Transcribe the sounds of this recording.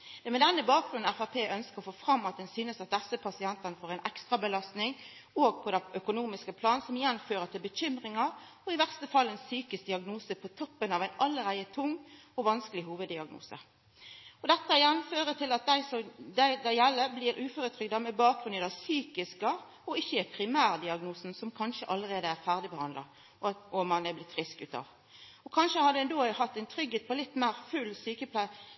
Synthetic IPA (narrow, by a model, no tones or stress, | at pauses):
d̪̥ɛmɛd̪ɛnːəbɑːk̚ʁʉnn̩æfɑpʰeːʔœnskəɾɔfoːfʁɑmːɑt̪̚d̪ɛnsyːnəsɑt̪̚d̪ɛsːəpʰɑsɪɛnt̪ɑnəfoːʁɛɪnʔɛkst̪ʁɑbəlɑst̪nɪŋ | oːɡ̚pʰɔd̪ɛœkʊnuːmɪskəpʰlɑːnsɔmɪjɛnføːɾət̪ʰɪlbəçʏmʁɪŋɑ | ɔɪʋæʁst̪əfɑlːɛnsyːkəst̪d̪ɪɑɡnuːsəpʰɔt̪ʰɔpːənɑʋæɪnɑlːəʁæɪət̪ʰʊŋː | ɔʋɑnskəlɪɦuːʋəd̪ɪɑɡnṵːsə̰ | ɔd̪ɛt̪ːəɪjɛnføːɾət̪ʰɪlɑt̪̚d̪æɪsɔd̪æɪd̪æjɛlːəbliːɾʔʉːfoːɾət̪ʰɾʏɡd̪ɑmɛbɑːk̚ʁʉnəd̪æsyːkɪskɑ | ɔɪçːəæpʰɾɪmæːʁd̪ɪɑɡnuːsn̩sɔmkʰɑnʂəʔɑlːəʁeːd̪əæʁfæʁd̪ɪbəhɑnd̪lɑ̰ | ɔɑt̪omɑnæblɪt̪ːfʁɪskʉːt̪ɑ̰ːʋ | ɔkʰɑnʃəhɑd̪əɛnd̪oːhɑt̪ːæɪnt̪ʰɾʏɡːeːt̪̚pʰɔlɪt̪ːmæɪʁfʉlsyːkəpʰlæɪ